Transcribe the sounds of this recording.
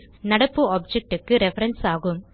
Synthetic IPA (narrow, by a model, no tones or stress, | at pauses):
nɐɽɐpːɯoːb̚d͡ʒɛk̚ʈɯkːɯɾɛfɐɾɐnsaːɣɯm